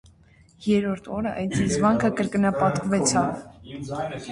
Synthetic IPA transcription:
jɛɾɔɾt̪ʰɔɾəʔɑ̰jt͡sʰizvɑŋkʰəkəɾkənɑpɑt̪kvɛt͡sʰɑv

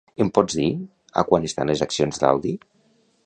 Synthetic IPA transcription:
empɔd͡zði | a̰kwanest̪a̰nlezaksionzða̰wði

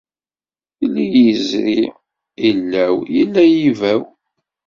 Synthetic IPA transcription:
θilːijəzɾi | ilːæwjəlːæjivæw

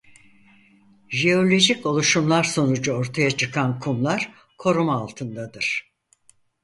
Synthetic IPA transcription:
ʒeo̞lʲo̞ʒiko̞lˠuʃumlˠaɾso̞nud͡ʒuoɾt̪ʰajat͡ʃʰɯkʰankʰumlˠaɾ̥ | kʰo̞ɾumaːlˠt̪ʰɯnd̪ad̪ɯɾ̥

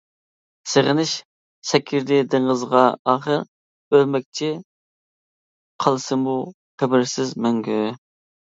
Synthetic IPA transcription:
seʁənɪʃ | sɛkʲʰɪɾd̪ɪd̪ɨɴʁəzʁɑɑːχəɾ | ølmɛk̚ʲt͡ʃʰi | qʰɑlˠɨsɨmu | χæbɪɾsɪzmɛŋɡʲy

